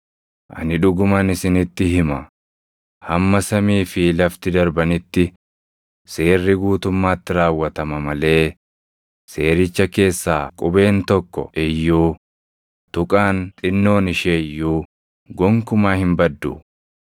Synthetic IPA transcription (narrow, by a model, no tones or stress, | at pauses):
ʔɐ̰nɪᶑʊɡʊmɐnɪsɪnɪt̪ːɪhɪmɐ | hɐmːɐsɐmiːfɪlɐft̪ɪd̪ɐɾbɐnɪt̪ːɪ | se̞ːrːɪɡuːt̪ʊmːaːt̪ːɪɾaːwːɐt̪ɐmɐmɐle̞ː | se̞ːɾɪt͡ʃːɐke̞ːsːaːkʼʊbe̞ːnt̪ɔkːɔ̰ɛjːuː | t̪ʊkʼaːnt̪ʼɪnːo̞ːnɪʃeːjːuː | ɡɔŋkʊmaːhɪmbɐd̪ːṵ